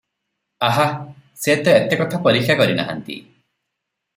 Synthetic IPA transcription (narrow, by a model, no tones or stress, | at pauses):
aɦa | set̪ɔet̪ekɔt̪ʰapɔɾikʰːjakɔɾina̰ɦa̰nt̪ḭ